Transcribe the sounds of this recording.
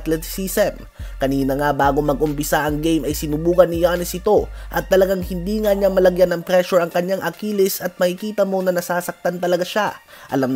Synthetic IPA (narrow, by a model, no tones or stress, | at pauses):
t̪lɛt̪sisɛm | kɐniːnɐŋabaːɡomɐɡʔʊmpɪsaʔɐŋɡejmɐjsɪnuːbuːkɐnːɪjaːnɛsʔɪt̪o̞ʔɐt̪ːɐlɐɡaŋhɪnd̪iːŋaɲamɐlɐɡjanɐŋpɾɛʃʊɾɐŋkɐɲːaŋʔɐkiːlɪsɐt̪̚mɐhɪkiːt̪ɐmo̞nɐnɐsaːsɐk̚t̪ant̪ɐlɐɡaʃa | ʔɐ̰lam